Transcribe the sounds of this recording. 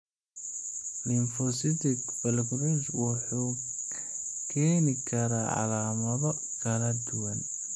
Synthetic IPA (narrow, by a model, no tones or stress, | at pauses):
lɪnfɔsɪt̪ɪkbɛlɡɾɛt͡ʃwɑħuː | kʰɛːnɪkʰɐɾaːʕɑ̰laːmɐðɔ | kʰɐlɐd̪ʊwɐn